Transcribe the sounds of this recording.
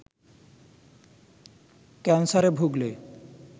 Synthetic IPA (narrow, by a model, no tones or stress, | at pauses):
kɛnsaɾebʱuɡle